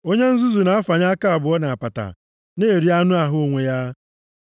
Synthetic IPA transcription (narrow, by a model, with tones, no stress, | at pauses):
o˦ɲe˦n̩˦zu˦zu˨na˨˦a˦fa˨ɲa˦a˦ka˦a˨bʊ˨ɔ˦na˨a˨pa˨ta̰˨ | neː˦e˨ɾi˦a˦nʊ˦a˨ɦʊ˦o˦˨ŋʷe˨ja˦